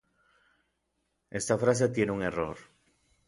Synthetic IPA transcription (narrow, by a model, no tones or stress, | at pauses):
est̪afɾas̬et̪jenuŋero̰ɾ